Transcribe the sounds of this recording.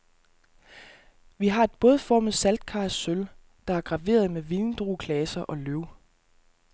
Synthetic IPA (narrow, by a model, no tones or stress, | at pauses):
ʋiɦɑ̈e̝d̥̚b̥ɔ̽ːð̞ˠfɒmð̩ˠsæld̥̚kʰɑ̈ːssøl | d̥ɑ̈æɐɡ̥ʁɑ̈ʋe̝̰ːɐð̞ˠmeʋilnd̥ʁuːkʰlɛːsɐʔɒ̽løʊ̰